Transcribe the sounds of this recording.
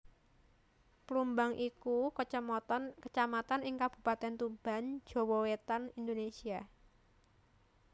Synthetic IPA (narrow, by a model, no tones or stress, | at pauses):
plumbaŋʔikukəəmɔt̪ɔnkət͡ʃamat̪anɪŋkab̥ṳpat̪ɛnt̪ub̥a̤n̥d͡ʒ̥o̤wɔwet̪anind̪onesia